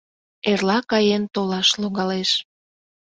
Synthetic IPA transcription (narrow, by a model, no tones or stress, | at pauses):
erlɑkɑjent̪olɑʃloɣɑleʃ